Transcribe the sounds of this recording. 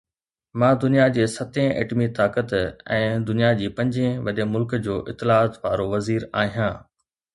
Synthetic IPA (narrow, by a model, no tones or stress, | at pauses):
mãːd̪ʊnijad͡ʑeːsɐt̪ẽʔḛːʈmit̪aːkət̪ɛ̃ːd̪ʊnijad͡ʑiːpɐ̃ɲd͡ʑẽʋɐɗəmʊlkd͡ʑoːʔɪt̪ːɪlaːt̪ʋaːɾoʋɐziːɾaːɦijãː